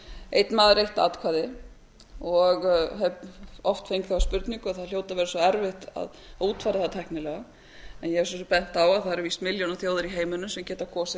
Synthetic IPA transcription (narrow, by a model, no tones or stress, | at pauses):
ḛjt̪nmaːðɾejht̪a̰ːt̪kʰvaːðɪ | ɔɣɦɛpɔft̪fejŋkθɛaspʏɾt̪niŋkʏaðθaðl̥joːwt̪avɛːɾasɔɛɾvɪht̪a̰ð | uːt̪faːɾɪaθaðat̪ʰɛhknɪlɛɣa | ɛnjɛɛɾs̬ɛst̪pɛn̥t̪awaðθaðɛɾviːst̪mɪljownaθjowðɪɾiɦeːjmʏnːʏsɛmcɛːt̪akʰɔːsɪ